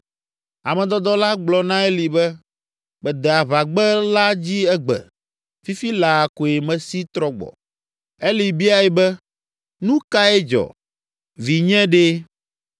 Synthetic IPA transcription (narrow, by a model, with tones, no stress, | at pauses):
a˨mɛ̃˨d̪ɔ˦d̪ɔ˦la˦ɡ͡blɔ˨nã˦e˦li˨bɛ˦ | bɛ˨d̪ɛ˨a˨βa˨ɡ͡bɛ˦la˦d͡ʑi˦ɛ˦ɡ͡bɛ̰˨ | fi˦fi˦la˨ko˨e˨mɛ̃˨si˦t̪ɾɔ˦ɡ͡bɔ̰˨ | e˦li˨bi˦a˦jɛ˨˦bɛ˦ | nũ˦ka˦ɛ˦d͡ʒɔ̰˨ | vi˨ɲɛ̃˦ɖe˦